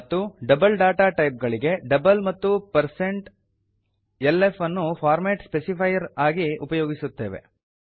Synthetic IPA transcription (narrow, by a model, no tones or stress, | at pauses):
ɐt̪ːuɖɐbɐlɖaːʈaːʈɐjp̚ɡɐɭiɡe̞ɖɐbɐlmɐt̪ːupɐɾseɳʈ | elefɐnːupʰaːɾmeːʈspesipʰɐjɐɾaːɡiupɐjoːɡisut̪ːe̞ːʋe̞̰